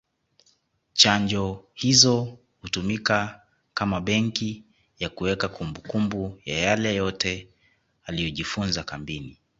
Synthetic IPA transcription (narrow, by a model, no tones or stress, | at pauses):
t͡ʃaɲd͡ʒɔhizɔ | hutumika | kamaɓɛŋki | jakuwɛkakumbukumbujajalɛjɔtɛ | alijɔʄifunzakambini